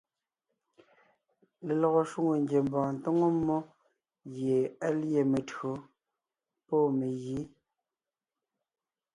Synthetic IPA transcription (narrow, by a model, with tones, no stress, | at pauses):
le˨lɔ˨ɣo˨ʃwu˦ŋo˨ŋɡje˨m˦bɔ̃ː˨n̩˨to˦ŋo˦mo˦ | ɣje˨a˦lje˨me˨tɰo˨˦ | pɔ˦˨me˨ɣi˨˦